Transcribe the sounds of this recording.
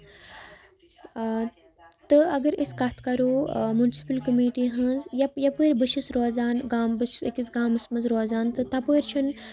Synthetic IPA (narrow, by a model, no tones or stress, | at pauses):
t̪ɨɐɡɐɾiskat̪ʰkɐɾoːmunsi̥pəlkɐmiːʈiɦɐ̃nzjɐjɐpoːiɾʲbɨʃʰisɾoːzaːnɡaːmbɨʃi̥ikisɡaːmɨsmɐnzɾoːzaːnt̪ɨt̪ɐpoːiɾʲt͡ʃʰun